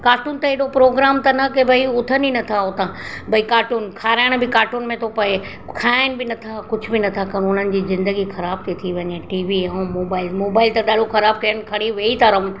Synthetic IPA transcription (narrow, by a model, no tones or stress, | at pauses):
kaːɾʈuːnt̪ɐeɗopɾoːɡɾaːmt̪ɐnɐkebʱɐiʊt̪ʰəninɐt̪ʰaɦʊt̪ãbʱɐikaːɾʈuːnkʰaːɾaːɪɽ̃bɪkaːɾʈuːnmẽt̪ʰopɐe | kʰaːɪnɪ̆bɪnɐt̪ʰakʊd͡ʑʱʊ̆bɪnɐt̪ʰakɐɽ̃ʊn̤ənɪ̆d͡ʑiːzɪ̃nd̪əɡixɐɾaːb̚t̪ʰit̪ʰiʋɐɲeʈiːʋiɦõmoːbaːɪlmoːbaːɪlt̪ɐɗaːɖoxɐɾaːb̚kɐjənɪ̆kʰɐɽ̃iʋeːit̪ɐɾəm